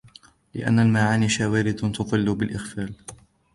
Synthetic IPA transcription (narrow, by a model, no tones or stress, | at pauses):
lɪ̰ʔa̰nːalmaʕaːniːʃaːwaːɾɪd̪t̪ʊðˤɨlːʊbɪlʔɪxfaːl